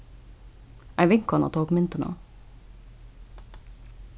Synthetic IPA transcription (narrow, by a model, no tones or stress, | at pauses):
æɪʋɪŋkɔnɑ̰t̪ʰoːkmʏnt̪əno̰ː